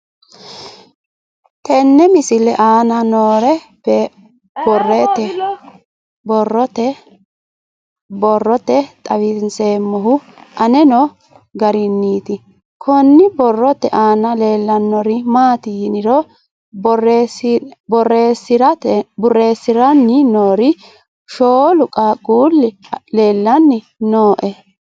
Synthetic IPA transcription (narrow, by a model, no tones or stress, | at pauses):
t̪ɛnːɛmɪsɪlɛʔaːnɐnoːɾɛ | bɛ | bɔrɛt̪ɛ | bɔrːɔt̪ɛ | bɔrːɔt̪ɛt̪ʼɐwɪnseːmːɔɦʊ | ʔɐnɛnɔ | ɡɐɾɪnːiːt̪ɪ | kʰɔnːɪbɔrːɔt̪ːɛʔaːnɐle̞ːlːɐnːɔɾɪmaːt̪ɪjɪnɪɾɔ | bɔresbɔrːeːsːɪɾɐt̪ɛbʊrːe̞ːsːɪɾɐnːɪnoːɾɪ | ʃoːlʊkʼaɡʼuːlːɪle̞ːlːɐnːɪ | noːʔɛ